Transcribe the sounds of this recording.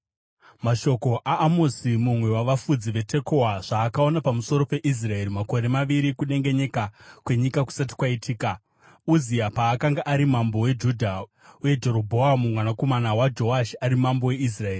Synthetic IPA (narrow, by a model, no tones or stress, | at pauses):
maʃo̞ko̞ʔaːmo̞simumwe̞waʋafud͡ziʋe̞tʰe̞ko̞waʐ̥aːkao̞napamuso̞ɾo̞pe̞ʔis̬rae̞ɾimako̞ɾe̞maʋiɾikuɗe̞ŋɡe̞ɲe̞kakwe̞ɲikaku̥sati̥kwaitʰiːka | uziapaːkaŋɡaʔaɾimambo̞we̞d͡ʒudʱa | uje̞d͡ʒe̞ɾo̞bʱo̞amumwanako̞manawad͡ʒo̞aʃiaɾimambo̞we̞is̬rae̞ːri